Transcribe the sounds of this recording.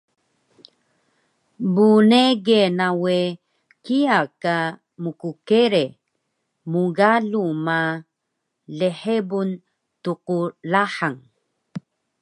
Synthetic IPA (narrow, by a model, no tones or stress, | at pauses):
buneɡenawe | kiaka | mukukeɾe | muɡaluma | leħebun | tuqulaħaŋ